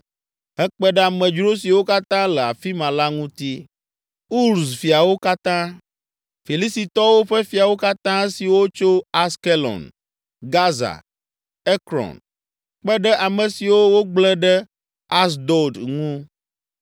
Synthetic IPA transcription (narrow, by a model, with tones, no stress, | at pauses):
ɦɛ˦k͡pɛ˦ɖɛ˦a˨mɛ̃˨d͡ʒɾo˦s̬i˨wo˦ka˦t̪ã˦lɛ˨a˨fi˦mã˨la˦ŋũ˦t̪i˦ | u˦ɾsfi˨a˨wo˦ka˦t̪ã˦ | fi˨li˦si˨t̪ɔ˦wo˦ɸɛ˦fi˨a˨wo˦ka˦t̪ã˦si˨wo˦t͡ʃo˦a˦ske˦lɔ̰˨n | ɡa˦za̰˨ | e˦kɾɔ̰˨n | k͡pɛ˦ɖɛ˦ʔa˨mɛ̃˨si˨wo˦wo˦ɡ͡blɛ˦ɖɛ˦ | a˦s̬d̪o˨d̪ŋũ˦